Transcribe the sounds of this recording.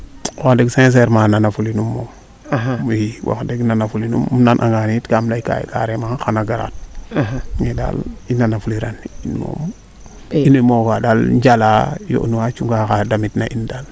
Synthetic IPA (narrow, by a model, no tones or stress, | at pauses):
waxdeɡses̬eɾmananafulinumːom | jiwʔa̰kdeɡnanafulinṵmnanʔa̰ŋɡanitkamlaika̰ḭka̰ɾemaxanaɡaɾa̰t̚ | ŋeda̰linːanafuliɾaninmo̰m | inimofadalɲd͡ʒalajo̰ʔnuwat͡ʃuŋɡakadamitnaʔindal